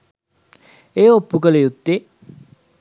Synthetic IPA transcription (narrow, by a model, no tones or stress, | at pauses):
eːopːukələjut̪ːe